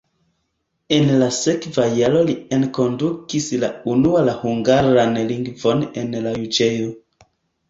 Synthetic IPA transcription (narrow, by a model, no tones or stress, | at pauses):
e̞nlase̞kvajalo̞lienko̞ndukislaunualahuŋɡaɾanliŋɡvo̞ne̞nlajud͡ʒejo